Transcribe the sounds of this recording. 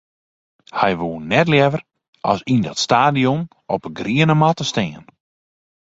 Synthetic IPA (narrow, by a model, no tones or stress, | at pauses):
hɛjʋoːənːɛtljɛvər | ɔ̰sindɔtstaːdion | ɔpəɡriənəmatəstɪən